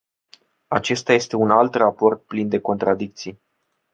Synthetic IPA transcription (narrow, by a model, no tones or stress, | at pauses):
at͡ʃe̞st̪aje̞st̪e̞unalt̪rapo̞rt̪̚plind̪e̞ko̞nt̪ɾad̪ik̚t̪sij